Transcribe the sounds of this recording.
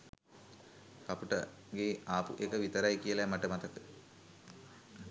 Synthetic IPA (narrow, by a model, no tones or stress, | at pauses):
kapuʈə | ɡeaːpṵʔekəʋit̪əɾajkijəlamaʈəmat̪əkə̥